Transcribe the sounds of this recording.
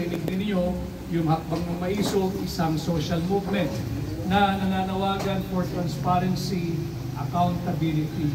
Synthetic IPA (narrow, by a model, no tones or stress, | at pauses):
ʔɪnɪɡ̚nɪnɪɲo̞ | jʊŋhɐk̚bɐŋnɐŋmɐʔiːsoɡʔɪsaŋsoːʃɐlmuvmɛnt̪̚ | nɐnɐŋaːnɐwaːɡɐnfoɹt̪ɾɐnspaɾɛnsi | ʔɐkawnt̪ɐbilɪt̪i